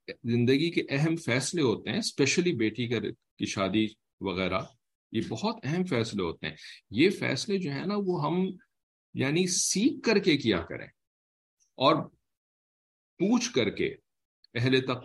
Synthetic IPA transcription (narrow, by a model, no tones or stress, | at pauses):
zɪ̃nd̪əɡikeʔɛɦɛmfɛːsleɦoːt̪eɦɛ̃spɛʃəlibeːʈikɐɾ | kiʃaːd̪i | ʋɐɣɛːɾa | jebɐɦɔt̪ɛɦɛmfɛːsleɦoːt̪ḛɦɛ̰̃jefɛ̰ːsled͡ʒoːɦɛ̰naʋoɦɐm | jaːnisiːkːɐɾkekija̰kɐ̰ɾḛ̃ː | ɔːɾ | puːt͡ʃʰkɐɾkḛ | ɛɦlet̪ɐq